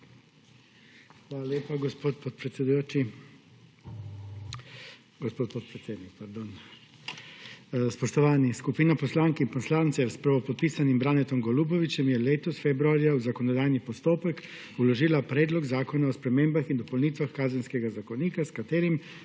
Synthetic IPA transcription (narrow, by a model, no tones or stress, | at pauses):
xʋaːlaljeːpaɡɔspoːt̪pɔt̪pɾɛt̪sɛd̪ujoːt͡ʃi | ɡɔspoːt̪pɔt̪pɾɛt̪sʲeːd̪nik̚paɾd̪oːn | spɔʃt̪ɔʋaːniskupiːnapɔslaːŋkinpɔslaːnt̪sɛspɾaʋɔpɔt̪̚piːsanimbɾaːnɛt̪ɔmɡɔlubɔʋit͡ʃɛmjɛleːt̪ɔsfebɾuaːɾjawzakɔnɔd̪aːjnipɔst̪oːpɛk | ulɔʒiːlapɾɛːd̪lɔɡzaːkɔnaɔspɾɛmeːmbaxind̪ɔpɔwniːt̪ʋaxkaːzɛnskɛɡazakɔniːkaskat̪eːɾim